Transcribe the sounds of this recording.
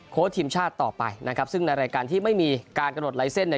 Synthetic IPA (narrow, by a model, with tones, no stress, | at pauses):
kʰoː˦˥t̪ʰiː˧mt͡ɕʰaː˥˩t̪ːɔː˨˩pa̰˧jna˦˥kʰp̚sɯ˥˩ŋna˧jɾaː˧jkaː˧nt̪ʰiː˥˩ma˥˩jmiː˧kaː˧nka˧mno˨˩t̪̚la˨˩˦jse˥˩nːi˥˩